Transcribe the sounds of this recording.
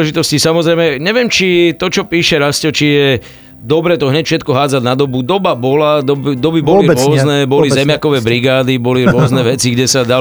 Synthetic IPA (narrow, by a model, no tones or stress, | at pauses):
ɛʒit̪ɔscisamɔzɾɛɪmɛɲɛʋɪɛmt͡ʃit̪ɔt͡ʃɔpiːʃɛɾascɔt͡ʃijɛ | d̪ɔbɾɛːt̪ɔɦɲɛcfʃɛt̪kɔɦaːd͡zaɟnad̪ɔbud̪ɔbabɔlad̪ɔbd̪ɔbibɔliɾɔznɛbɔlizɛmjakɔʋɛbɾiɡaːd̪ibɔliɾʊɔznɛʋɛt͡siɡɟɛsad̪a